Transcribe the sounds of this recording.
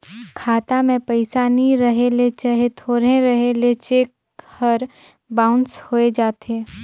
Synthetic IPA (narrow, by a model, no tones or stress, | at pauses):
kʰaːt̪amẽpɐɪsaːniɾɐɦelet͡ʃaɦet̪ʰoːɾẽɾɐɦelet͡ʃeːk̚ | həɾ | baːʊnʈshoːed͡ʒaːt̪eː